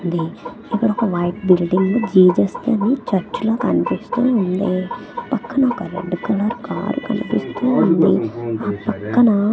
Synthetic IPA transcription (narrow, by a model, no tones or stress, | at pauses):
nd̪i | ipːuɽɔkɐʋɐjʈbilɖiŋɡloːd͡ʒiːd͡ʒɐst̪iɐnit͡ʃɐɾt͡ʃloːkɐnipist̪uund̪ipɐkːɐnɐkɐɾḛɖukulːɐɾuka̰ːɾukɐ̰nipist̪uːund̪ḭaːpɐkːɐnɐ